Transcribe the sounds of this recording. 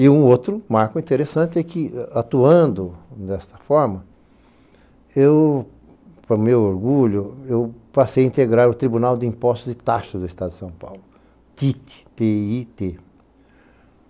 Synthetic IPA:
ɪũot̪ɾʊmaɾkʊĩnt̪eɾesɐ̃nt̪ɪɛkɪat̪uɐ̃nd̪ʊd̪ɛst̪ɐ̥fɔɾmɐ | ew | pɾɐmewoɾɡuʎʊewpasejɐĩnt̪eɡɾaɾʊt̪ɾibunawd̪ɪĩpɔst̪ʊzd̪ɪt̪aʃɐzd̪ʊist̪ad̪d̪ɪsɐ̃w̃pa̰wlʊ | t̪it̪ɪ̥t̪eit̪e

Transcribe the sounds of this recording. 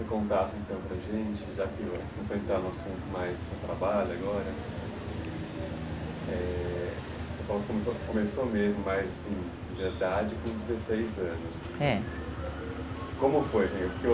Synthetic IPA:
sekõnt̪asʊẽt̪ɐ̃w̃pɾɐʒẽt͡ʃɪʒakɪ | ẽfoẽnt̪ɾaɾũasũnt̪ʊmajzd̪ʊsewt̪ɾabaʎʊaɡɔɾɐ | ɛ | sefalokõmesokõmesomezmʊmajzasĩ | veɾd̪ad͡ʒɪkõd͡ʒɪzesejzɐ̃nʊs | ɛ | kõmʊfojsẽɲpʊɾke

